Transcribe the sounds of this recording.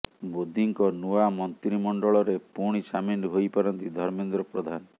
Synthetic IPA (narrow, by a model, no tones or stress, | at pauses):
bod̪ʱiŋkɔnuamɔnt̪ɾimɔɳɖɔɭɔɾepuɽ̃isaminɦojpɔɾɔnt̪id̪ʱɔɾmend̪ɾɔpɾɔd̪ʱanɔ